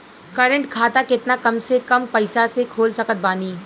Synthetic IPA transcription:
kɐɾə̃ɳʈkʰaːt̪akɪt̪nakɐmsekɐmpɐɪsasekʰoːlsɐkət̪̚baːniː

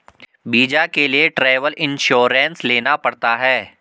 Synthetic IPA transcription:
biːd͡ʒakelieʈɾeːʋəlʔɪ̃nʃoːɾɛ̃nsleːnapɐɽt̪aɦɛː

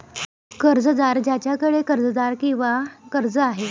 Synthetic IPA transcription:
kəɾd͡zəd̪aɾd͡ʑjat͡ɕjakəɽekəɾd͡zəd̪aɾkĩw̃ʋakəɾd͡zəaɦe

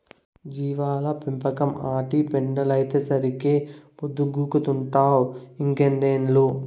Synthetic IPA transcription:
d͡ʒiːʋaːlɐpimpɐkɐmaːʈipeɳɖɐlɐjt̪eːsɐɾikeːpud̪ːuɡuːkut̪uɳʈaːwiŋɡenɖeːnlo

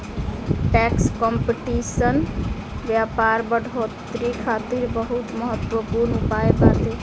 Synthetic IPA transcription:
ʈɛkskɔmpiʈisən | ʋjapaɾbəɽʱot̪ɾikʰaːt̪iɾbəɦut̪məɦət̪wəpuɾnupaebat̪e

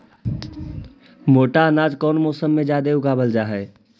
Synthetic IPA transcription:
moːʈaənad͡ʒkɔːnmɔːsəmːed͡ʒad̪eʊɡabəld͡ʒaɦɛ

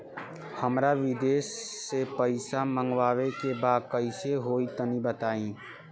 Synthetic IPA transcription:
hɐmɾaʋɪd̪eːsːepəɪsamə̃ŋɡwaːwekebaːd̪̚kəɪseɦoːit̪ənibət̪aːĩː

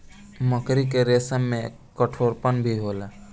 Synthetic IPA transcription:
məkɾik̬eɾeːsəmːẽ | kəʈʰoːɾpənbʱiɦoːla

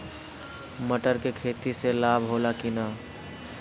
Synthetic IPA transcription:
məʈəɾkekʰeːt̪iselabʱɦolakina

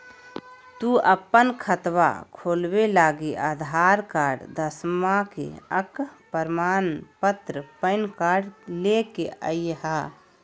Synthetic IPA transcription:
t̪uɐpːənkʰət̪ʋa̰kʰoːlwelaːɡiʔaːd̪ʱaːɾkaːɖd̪əsmakḛəkpəɾmaːnpət̪ɾəpəɪnkaːɽlekeə̰jjɦaː

